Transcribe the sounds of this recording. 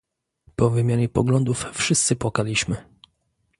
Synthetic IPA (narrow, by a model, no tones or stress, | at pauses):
pɔvɘmʲjaɲɛpɔ̰ɡlɔnd̪ufːʂɘst̪sɘpwakalʲiɕmɘ